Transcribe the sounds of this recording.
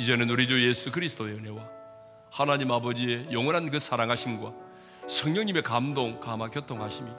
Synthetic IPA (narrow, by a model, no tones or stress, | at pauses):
id͡ʑe̞nɯnuɾid͡ʑuje̞sʰukɯɾisʰɯd̥oeɯne̞wa | hanaɲimabʌd͡ʑie̞jʌŋwʌnɦankɯsʰaɾaŋɦaɕʰimɡwa | sʰʌŋɲʌŋɲime̞kamdoŋkamakjʌtʰoŋɦaɕʰimi